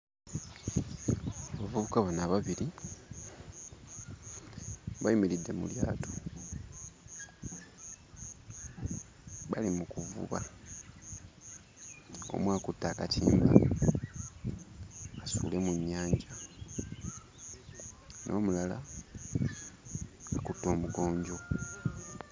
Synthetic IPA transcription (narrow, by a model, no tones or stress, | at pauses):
aβavuβukaβanaβaβiɾi | βajimilidːe̞mṵlja̰ːtʰo | βalimukuvṵβa̰ | o̞̰mwaːkutːaːkatʰiːmba | sṵːle̞muɲːaːɲɟa | nʔo̞̰ːmulala̰ | akutːo̞ːmuɡo̞ːɲɟo̞